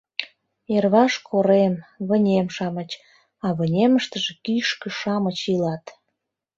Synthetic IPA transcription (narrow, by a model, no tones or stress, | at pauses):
erβɑʃkʰoɾemβənʲemʃɑmət͡ɕ | ɑβənʲeməʃt̪əʒekyʃkə̆ʃɑmət͡ɕilɑt̪